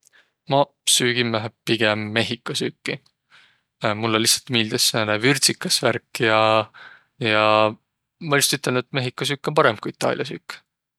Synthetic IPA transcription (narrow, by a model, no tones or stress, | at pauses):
mɑ | syːɡ̥imlæɦepiɡ̥emːe̞ɦikːˑɑsyːkːi | mulːelːihsːɑ̥lt̪miːld̪̥esːenevyrt̪sikːˑɑsværkːjɑ | jɑ | mɑlʲjust̪yt̪ːˑeld̪et̪me̞ɦikːˑɑs̬yːkˑːo̞npɑɾe̞mkuit̪ːˑɑ̰ːlʔjɑsyːkː